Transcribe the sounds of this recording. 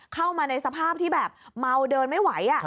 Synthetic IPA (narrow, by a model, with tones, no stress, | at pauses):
kʰa˥˩wmaː˧na˧jsa˧pʰaː˥˩p̚t̪ʰiː˥˩bɛː˨˩p̚ma˧wdɤː˧nma˥˩jwa˩˦jʔa˨˩ʔ